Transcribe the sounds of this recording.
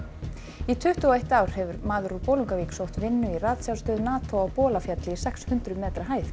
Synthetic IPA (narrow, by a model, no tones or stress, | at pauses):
it̪ʰʏht̪ʏɔejht̪awɾ̥hɛvʏɾmaːðʏɾupoːwluŋkaviːksowht̪vɪnːʏiraːt̪sjawst̪œːðnaːt̪ʰowawpɔːlafjat̪lɪsɛkshʏnt̪ɾʏmɛːt̪ɾaɦaːjθ